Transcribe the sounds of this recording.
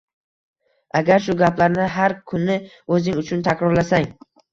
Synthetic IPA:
ʔaɡʲaɾʃʊɡʲaplaɾnɪɦaɾkʰʊnːɪ | ɵzɪŋʊt͡ʃʰʊnt̪ʰakʲɾɒɾlasaŋ

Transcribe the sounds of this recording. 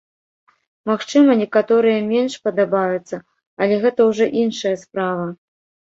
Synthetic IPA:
maxt͡ʂɨmɐnʲɛkat̪ɔɾɨjɐmʲɛnʂpɐd̪abajut̪sːɐ | ɐlʲɛɣɛt̪ɐwʐɔʔinʂɐjɐspɾavɐ

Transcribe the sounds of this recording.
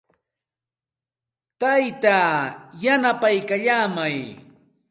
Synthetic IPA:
t̪ajt̪ajanapajkaʎaːmaj

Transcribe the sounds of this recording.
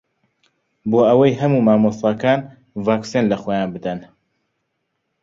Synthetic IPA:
boːɐwɐjɦɐmuːmaːmost̪ɑkaːn | vaːksinlɐxoːjaːnbɨd̪ɐn

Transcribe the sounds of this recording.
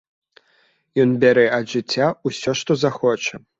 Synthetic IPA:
jɔnbʲaɾɛɐʐɨt͡sʲːausʲɔʂt̪ɔzaxɔt͡ʂɐ

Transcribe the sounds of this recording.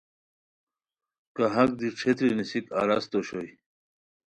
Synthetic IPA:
kaɦɐk̚d̪iʈ͡ʂʰet̪ɾinisika̰ɾast̪oɕoj

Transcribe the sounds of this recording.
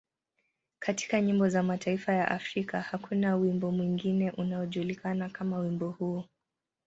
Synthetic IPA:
kʰati̥kaɲimbɔzamatʰaifajaʔafɾikahakunawimbɔmwiŋɡinɛʔunaɔʄuːlikanakamawimbɔhuː

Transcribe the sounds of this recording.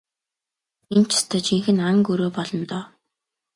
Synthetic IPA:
int͡ɕʰḁst̪ʰœːt͡ɕʰiŋxɘ̆naŋɡuɾoːpɔɮɞ̆nt̪ɔː

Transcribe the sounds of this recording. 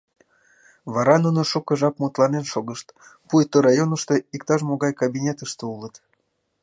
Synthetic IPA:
βɑɾɑnunoʃukəʒɑpmut̪lɑnenʃoɣəʃt̪pujt̪oɾɑjonəʃt̪eikt̪ɑʒmoɣɑjkabʲinʲet̪əʃt̪eulˠət̪

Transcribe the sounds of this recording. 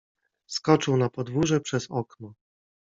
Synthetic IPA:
skɔt͡ʂɘwnapɔd̪vuʐɛpʂɛzɔknɔ

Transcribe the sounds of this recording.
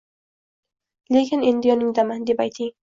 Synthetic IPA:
lekʲɪnend̪ɪjɒnɪŋd̪amand̪e̞pajt̪ʰɪŋ

